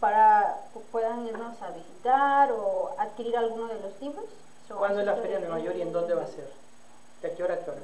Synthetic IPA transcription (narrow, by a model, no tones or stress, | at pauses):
paɾakepwe̞ðaŋiɾno̞saβisit̪aɾoaðkiɾiɾalɣunozðelo̞st̪ipos | sokwalnoezlafeɾjanemajoɾiend̪o̞nd̪eβaseɾ | d̪eakioɾakk̪oɾ